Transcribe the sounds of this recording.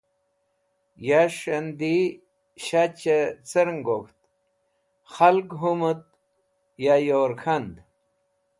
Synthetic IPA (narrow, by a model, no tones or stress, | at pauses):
jaʂɐnd̪i | ɕat͡ɕet͡səɾŋɡokt̪̚ | xalkɦumut̪̚ | jajoːɾkʰɐnd̪